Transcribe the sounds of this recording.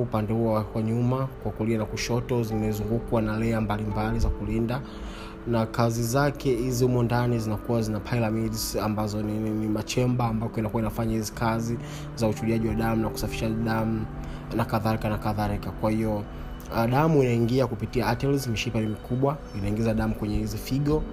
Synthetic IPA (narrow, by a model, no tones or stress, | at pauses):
upandɛhuɔwakwaɲumakwakulianakuʃɔtɔzimɛzuŋɡukwanalɛambalimbalizakulinda | nakazizakɛhiziumɔndanizinakuwazinapʰailamidzambazɔnnimat͡ʃɛmbaːmbakɔinakuwainafaɲahizikazi | zaut͡ʃuliaʄiwaɗamunaku̥safiʃaɗamu | nakaðalikanakaðalikakwahiɔ | ɗamuinaiŋɡiakupitiaatɛlzmiʃipanimikuɓwa | inaiŋɡizaɗamukwɛɲɛhizifiɠɔ